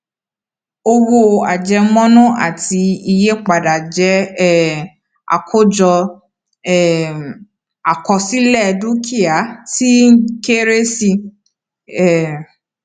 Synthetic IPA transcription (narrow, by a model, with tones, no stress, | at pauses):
o˧wo˧a˨d͡ʒɛ˧mɔ̃˦nũ˦a̰˦˨ti˧i˧je˦k͡pa˨da˨d͡ʒɛ˧˦˨ | a̰˨kʰo˦d͡ʒɔ˧ | ɛ˦˨ | a˨kɔ˧si˦lɛ˦˨du˦kʰi˦a˨˦ti˦ke˦ɾe˦si˧˨